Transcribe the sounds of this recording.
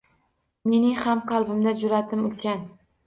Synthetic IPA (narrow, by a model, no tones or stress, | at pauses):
me̞nɪŋhamqʰɑlˠbɪmd̪ad͡ʒʊɾat̪ʰɪmʊlkʲan